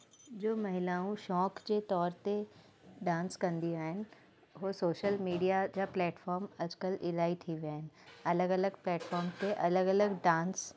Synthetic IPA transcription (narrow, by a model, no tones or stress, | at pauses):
d͡ʑoːmɐɦɪlaːũʃɔːkd͡ʑet̪ɔːɾt̪e | ɖãːnskɐ̃nd̪iaːɦɪnɪ | ɦoːsoːʃəlmiːɖijad͡ʑaplɛːʈfɔːɾmɐd͡ʑkəlʔɪlaːit̪ʰiʋjaːɦɪnɪ̆ɐləɡɐləɡplɛːʈfɔːɾmt̪eʔɐləɡɐləɡɖãːns